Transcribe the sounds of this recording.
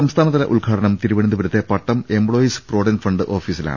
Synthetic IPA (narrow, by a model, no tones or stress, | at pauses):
ɐmst̪ʰaːnɐt̪̬ːɐlɐ̰ʔulɡʰʱaːɽɐɳɐmt̪iɾuʋɐɳind̪ubɐɾɐt̪ːe̞pɐʈːɐme̞mbɭoːjispro̞ːɽɐnfɐɳɖɨʔo̞ːfiːsila̰ːɳ